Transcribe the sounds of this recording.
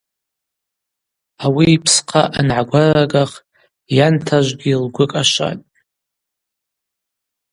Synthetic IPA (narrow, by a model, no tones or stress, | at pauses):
awiːpʰsqʰaʔanʕaɡʷaraɡaχ | jantʰaʒʷɡʲɪlɡʷʊkʼaʃʷa̰tʼ